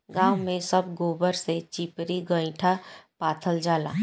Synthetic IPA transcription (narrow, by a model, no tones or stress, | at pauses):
ɡãːwmẽsəbɡoːbəɾset͡ʃipɾiɡə̃ɪ̃ʈʰapaːt̪ʰəld͡ʒaːla̰ː